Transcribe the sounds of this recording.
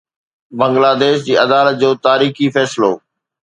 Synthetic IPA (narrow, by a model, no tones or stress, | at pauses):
bɐ̃ŋɡlaːd̪eːʃd͡ʑiːɐd̪aːlət̪̚d͡ʑoːt̪aːɾiːxifɛːsɪloː